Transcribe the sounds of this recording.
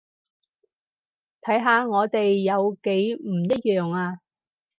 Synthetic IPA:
t̪ʰɐ˨˥jɦaː˨˧ŋɔː˨˧t̪e˨jːɐ˨˧wke˨˥jm̩˨˩jɐ˥t̚jœː˨˩ŋaː˧

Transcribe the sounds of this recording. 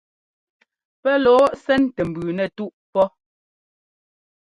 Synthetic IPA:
pɛ˦lɔː˨˦sɛ˦ntɛ˨m˨bʉː˨nɛ˨tu˦ʔpɔ˦

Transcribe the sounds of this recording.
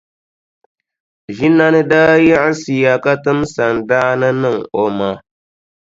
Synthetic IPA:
ʒi˦nːa˦nɨ˦daː˦jɛ˦ʔɪ˦si˨ja˨ka˦tɨ˦msa˨ndaː˦nɨ˦nɨ˦˨ŋo˨ma˦

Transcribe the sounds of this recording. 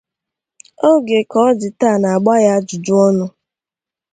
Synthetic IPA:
o˦ɡe˨kɔ˨˦d͡ʒɪ˨ta˦˨na˨a˨ɡ͡ba˦ja˦d͡ʒʊ˨d͡ʒʊ˦ɔ˦nʊ˦

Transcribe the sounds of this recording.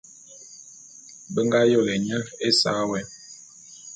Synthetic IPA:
bə˦ŋɡa˦jo˦˨ɣe˨ɲə˦e˦sa̰˦wɛ˨

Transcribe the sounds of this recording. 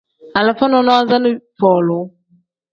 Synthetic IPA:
a˨la˨fa˦nɔ˨nɔ˦a˦za˦nɪ˦pɔ˨lɔ˨˦

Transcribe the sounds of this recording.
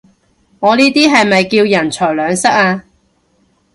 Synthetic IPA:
ŋɔː˨˧niː˥t̪iː˥ɦɐ˨jmɐ˨jkiː˧wjɐ˨˩nt͡ʃʰɔː˨˩jlœː˨˧ŋsɐ˥k̚aː˧

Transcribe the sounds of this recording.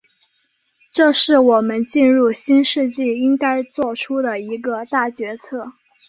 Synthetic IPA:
ʈ͡ʂɤ˥˧ʂɻ̩˥˩wɔ˨˩mə˦nt͡ɕi˥˧nɻu˥˩ɕi˥nʂɻ̩˥˧t͡ɕi˥˩i˥ŋka˥ɪt͡swɔ˥˩ʈ͡ʂʰu˥d̪ə˨i˧˥ɡə˧t̪a˥˩t͡ɕɥɛ˧˥t͡sʰɤ˥˩

